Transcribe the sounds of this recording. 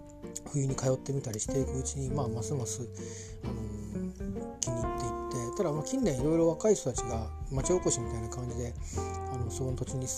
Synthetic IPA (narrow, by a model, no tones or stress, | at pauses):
ɸɯ̟jɯ̟ːɲ̟ikajo̞t̪ːe̞mʲit̪aɾʲiɕi̥t̪e̞ikɯ̟ːt͡ɕiɲ̟imaːmasɨmasɨ | ano̞ | kʲiɲ̟iːt̪ːe̞it̪ːe̞t̪ad̪amaːkʲĩnːẽ̞ɰ̃iɾo̞iɾo̞β̞akaiçt̪o̞t̪at͡ɕiɡamat͡ɕio̞ːko̞ɕimʲit̪ainakãɲ̟d͡ʑid̪e̞ | ano̞so̞ko̞not̪ot͡ɕiɲ̟i